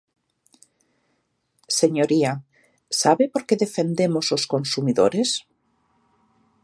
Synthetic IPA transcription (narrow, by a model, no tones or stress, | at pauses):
seɲoɾia | saβepoɾkeðefend̪emososkonsumiðo̰ɾes